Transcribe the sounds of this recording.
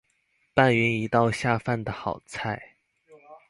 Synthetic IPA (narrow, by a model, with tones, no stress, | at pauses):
pa˥˩nɥy˧˥ni˧˥t̪ɑ˥˧ʊɕja˥˧fa˥˩nd̪ə˩xɑ˨˩ʊt͡sʰa˥˩ɪ